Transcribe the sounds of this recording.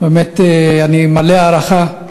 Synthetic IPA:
beːmeteanimaleaːɾaχa

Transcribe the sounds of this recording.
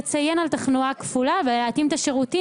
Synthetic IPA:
t͡sajenalt̪aχnuakfulaveleat̪imt̪aʃeʁuti

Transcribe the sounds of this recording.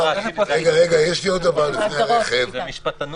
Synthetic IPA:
ʁeɡaʁeɡajeʃliot̪abanneχev

